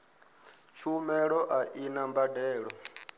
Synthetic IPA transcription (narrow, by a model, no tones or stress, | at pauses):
t͡ʃʰumɛɺɔʔaʔinambadɛːɺɔ